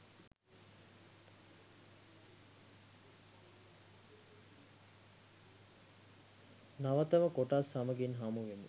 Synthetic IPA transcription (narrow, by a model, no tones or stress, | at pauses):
naʋət̪əʋəkoʈasːamɐɡinɦamuʋemu